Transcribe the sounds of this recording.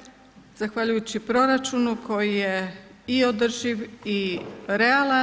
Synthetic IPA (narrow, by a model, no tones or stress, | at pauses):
z̥axʋaʎujut͡ɕipɾo̞ɾat͡ʃunuko̞jijeiod̪r̩ʒiʋiɾe̞alˠa